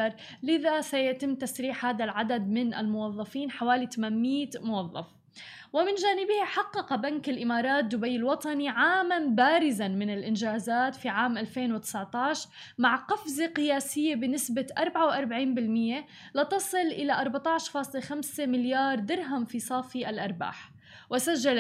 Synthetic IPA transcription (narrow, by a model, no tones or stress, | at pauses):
ɾˤ | lɪðasajat̪ɪmːt̪asɾiːħhaːðalʕad̪ad̪mɪnʔɪ̰lmʊwɑðˤːɑfiːnħawaːlit̪amanmiːt̪mʊwɑðˤːɑ̰f | wɪmɪnʒaːnɪbɪhiħɑqːɑqbankɪlʔɪmɑːɾˤɑːt̪̚d̪ʊbajːɪlwɑt̪ˤɑniʕaːmanbaːɾɪzanmɪnɪlʔɪnʒaːzaːt̪fiʕaːmʔalfeːnwɪt̪ɪ̥sʕt̪ɑːʃ | maʕqɑfzeqɪjaːsɪjːebɪnɪsbaʔɑɾˤbʕawʔɑɾˤbaʕiːnbɪlmɪjːe | lɪt̪ɑsˤɨlʔɪlaʔɑɾˤbat̪ˤɑʕʃfɑːsˤlexamsemɪljɑːɾˤd̪ɑɾɦamfisˤɑːfiʔalʔɑɾˤba̰ːħ | wɪsaʒːal